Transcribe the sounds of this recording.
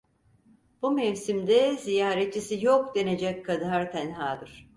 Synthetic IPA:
b̥umevsimd̪ɛzijaːɾet̚t͡ʃʰːisijokd̪e̞ned͡ʒɛckʰːad̪aɾt̪ʰænɦaːd̪ɯɾ̥

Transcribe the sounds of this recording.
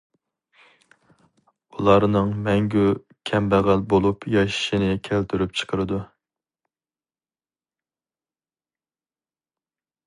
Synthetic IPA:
ulˠɑɾnɨŋmɛŋɡʲu | kʲʰɛmbæʁælbolˠupjɑʃi̥ʃinɪkʲʰælt̪ʰyɾyp̚t͡ʃʰə̥qʰəɾɨd̪u

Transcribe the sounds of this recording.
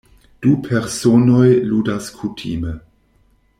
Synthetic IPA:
d̥upʰeɾsono̞jludaskʰutʰḭme

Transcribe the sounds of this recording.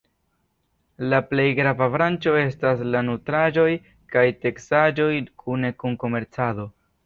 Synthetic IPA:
laple̞jɡɾavavɾant͡ʃo̞e̞staslanutɾad͡ʒo̞j | kajte̞ksad͡ʒo̞jkʰune̞kunko̞me̞ɾt͡sado̞

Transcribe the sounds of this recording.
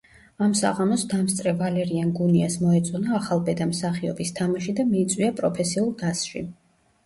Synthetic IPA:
amsa̰ʁamɔsd̪amst̪sʼɾɛvalɛɾianɡuniasmɔɛt̪sʼɔnaːχalˠbɛd̪amsaχiɔ̰bist̪ʰamaʃid̪amiːt̪sʼwiapʼɾɔpʰɛsiulˠɡ̪asʃḭ

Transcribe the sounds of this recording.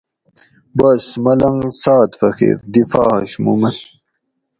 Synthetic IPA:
bɐsmɐlɐŋsaːt̪fɐxḭɾd̪ifa̰ːhɐ̰ɕmṵmɐn

